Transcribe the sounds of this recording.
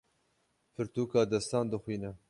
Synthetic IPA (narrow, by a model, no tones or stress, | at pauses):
pʰɨɾt̪uːkɑːd̪ɛst̪ɑːnd̪ɨxwiːnɛ